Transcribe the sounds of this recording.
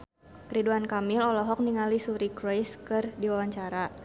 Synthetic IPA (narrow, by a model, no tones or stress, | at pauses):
pɾiduankamilɔlɔɦɔk̚niŋalisuɾikɾɔjskɨrdiwawaɲt͡ʃaɾa